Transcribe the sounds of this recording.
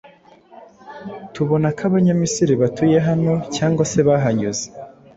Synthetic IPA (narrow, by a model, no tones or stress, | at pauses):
tuβo̞nakaβaɲamisiɾiβatuje̞ɦano̞caːŋɡase̞βaɦaɲuze